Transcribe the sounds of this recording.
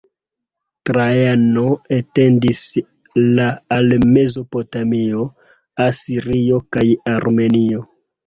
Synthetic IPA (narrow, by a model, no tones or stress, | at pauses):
tɾajano̞ete̞ndis | laːlme̞zo̞po̞tamio̞ | asiɾio̞kajaɾme̞nio̞